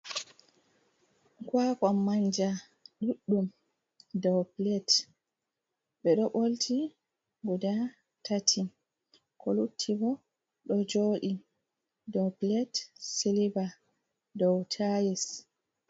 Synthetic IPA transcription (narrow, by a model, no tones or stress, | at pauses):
kwakɔmːaɲd͡ʒa | ɗuɗːum | dɔwplɛt | ɓɛɗɔɓoltʰi | ɡuda | tatʰi | kɔlutʰːibɔ | ɗɔd͡ʒoːɗi | dɔplɛtseliba | dɔwtʰajis